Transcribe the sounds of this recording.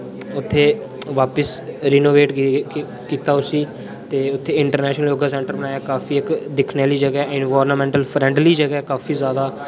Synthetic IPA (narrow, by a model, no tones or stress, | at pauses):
ʊt̪ʰːeː | ʋaːpəsɾɪːnoːʋeːʈ | kiːt̪aːʊsiː | t̪eːʊt̪ʰːeːɪɳʈəɾnɛːʃnəljoːɡaːsɛ̃ːɳʈəɾbənaːjaːkaːfiːɪkd̪ɪkʰneːliːd͡ʒəɡɛːɪnʋaːɾnmɛ̃ːɳʈəlpʰɾɛ̃ːɳɖliːd͡ʒəɡɛːkaːfʰiːzjaːd̪aː